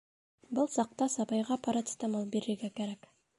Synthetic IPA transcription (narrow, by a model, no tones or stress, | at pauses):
bəlˠsɑq̚t̪ɑsɑbɑjʁɑpʰɑɾɑt̪ə̥t̪ɑmɑlˠbe̞ɾɪɾɡʲekʲeɾak